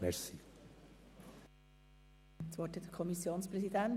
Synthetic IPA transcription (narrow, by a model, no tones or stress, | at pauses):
mɛɾsi | t͡svɔthɛtdəkʰɔmisjoːnspɾɛsid̪æn